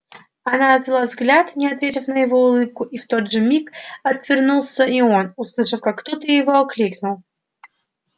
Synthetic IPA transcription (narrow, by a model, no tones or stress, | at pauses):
ɐnanəzʲɪlˠavzɡlʲat̪nʲɪɐt̪vʲetʲɪfnəjɪvo̞ʊlˠɨp̚kʊʔift̪od̪ʐɨmʲikɐt̪vʲɪrnulˠsʲəio̞nʊslˠɨʂɨfkakːt̪ot̪əjɪvoɐklʲiknʊlˠ